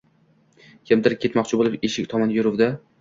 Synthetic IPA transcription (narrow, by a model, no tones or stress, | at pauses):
jɪmd̪ɪɾɪkʰʲe̞t̪mɒqt͡ʃʰɪbolˠɪpeʃɪkʲt̪ʰɒmɒnjʊɾʊwd̪ɪ